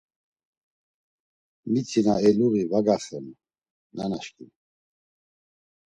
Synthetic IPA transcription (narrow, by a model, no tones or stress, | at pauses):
mit͡sʰinaɛluɣivaɡaχɛn | nanaʃkʼin